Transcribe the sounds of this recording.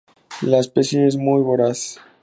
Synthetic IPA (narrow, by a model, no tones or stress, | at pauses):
laspesonezmujβoɾas